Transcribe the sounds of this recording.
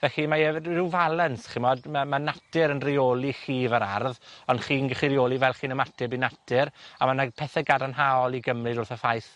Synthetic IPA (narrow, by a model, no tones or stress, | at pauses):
vɛɬimaɛɪwvalˠɛnsχɪmɔdmamanatɪɾənrioːlˠiχiːvəɾarðɔnχiːnɡəχiɾioːlˠivɛlˠχiːnəmatʰɪbinatʰɪɾamanapʰɛθɛɡadanɦaɔlˠiɡəmrɨdʊrθəfajθ